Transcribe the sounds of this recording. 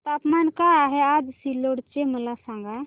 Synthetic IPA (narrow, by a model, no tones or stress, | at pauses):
t̪apmankaːɦead͡ʒsiloɽt͡ʃeməlasãŋɡa